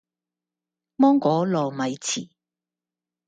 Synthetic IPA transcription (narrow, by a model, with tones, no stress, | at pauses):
mɔː˥ŋkɔː˨˥lɔː˨mɐ˨˧jt͡sʰiː˨˩